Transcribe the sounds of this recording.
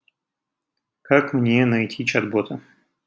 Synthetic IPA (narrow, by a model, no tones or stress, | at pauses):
kakmnʲenɐjtʲit͡ɕɐd̪bot̪ʰə